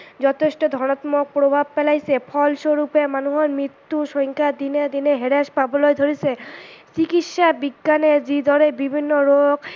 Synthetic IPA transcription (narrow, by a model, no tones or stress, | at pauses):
d͡ʑɔt̪ʰeʃʈod̪ʱɔñat̪mok̚pɾobʱab̚pɛlajsʰepʰɔlʃoɾupemanuɦoɾmɾit̪ːuʃɔjŋkʰad̪ined̪ineɦeɾeʃpabolojd̪ʱoɾit͡ɕʰet͡ɕikit̪ʃabiɡːaned͡ʑid̪ʱɔɾebibʱinːoɾoɡ